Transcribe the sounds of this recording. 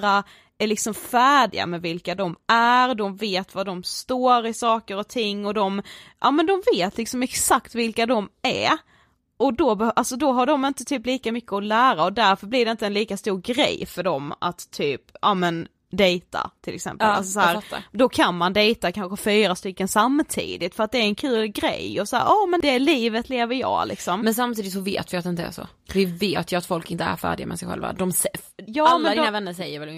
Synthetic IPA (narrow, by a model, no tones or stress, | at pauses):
a | æɾlɪksɔmfæːɖɪ̰ɡa̰mɛvɪlkad̪ɔmæɾd̪ɔmveːt̪vad̪ɔmst̪oːɾɪsɑːkəɾɔt̪ʰɪŋːɔd̪ɔmʔɑ̰ːmɛnd̪ɔmveːt̪ʰlɪksɔmɛksakt̪vɪlkad̪ɔmæ | ʔɔd̪ɔbɛʔalsɔd̪ɔɦaɖɔmɪnt̪ət̪ʰyːpliːkamʏkːəɔlæːɾaɔd̪æɾfœɾblɪɖɛɪnt̪əɛnliːkast̪uːɾɡɾɛ̰jːfœɖɔma̰t̪ʰːyːpʔɑːmɛn | d̪ɛjt̪ʰa̰t̪ʰɪlʔɛksɛ̰mpəla̰lsɔshæːɾ̰d̪ɔkʰanmand̪ɛjt̪akʰanɧəfyːɾast̪ʏkːənsamːt̪ʰḭːd̪ɪt̪fœɾat̪̚d̪ɛːɾɛnkʰʉ̟ːlɡɾɛ̰jɔsahæːɾɑːmɛnd̪ɛæliːvət̪ʰleːvəɾjɑ̰ːlɪ̰ksɔmmɛnsamt̪iːd̪ɪt̪sɔvḛːt̪vɪat̪d̪ɛɪnt̪əæ̰ʂɔ̰ | vɪveːt̪jɵat̪fɔlkɪnt̪əæ̰ɾfæ̰ːɖɪɡamɛ̰sɛjxɧɛ̰lva̰d̪ɔmsɛjɑːmɛnd̪d̪ːnavɛnːəsɛjːəɾvɛl